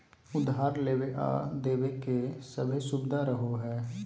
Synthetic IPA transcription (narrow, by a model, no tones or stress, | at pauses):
ʊd̪ʱɦaːɾleːweʔa̰d̪eːwekesəbʱəʃʊbɪd̪ʱaɾəɦoɦɛː